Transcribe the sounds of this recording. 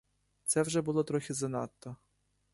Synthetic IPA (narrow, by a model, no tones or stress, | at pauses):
t̪sɛwʒɛbʊlˠɔt̪ɾɔxʲizɐnɑt̪ːɔ